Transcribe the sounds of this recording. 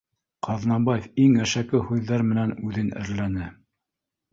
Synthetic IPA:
qɑðnɑmbɑjefiŋæʃækɘhʉðːæɾmɘ̆nænʉðɘnɘ̰̆ɾlænɘ

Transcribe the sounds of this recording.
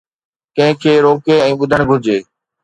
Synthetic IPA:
kɐ̃ɦɪ̃kʰeːɾoːkeɛ̃ːɓʊd̪ʱəɽ̃ɡʱʊɾd͡ʑeː

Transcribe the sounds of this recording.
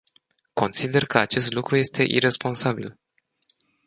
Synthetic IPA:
ko̞nt̪sid̪e̞rkəat͡ʃe̞st̪lukɾuje̞st̪e̞ʔḭɾe̞spo̞nsabil

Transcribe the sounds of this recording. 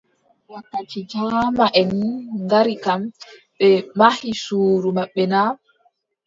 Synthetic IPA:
wakːat͡ʃid͡ʒaːmaʔɛniŋɡaɾikam | ɓɛmahisuːɾumaɓːɛna

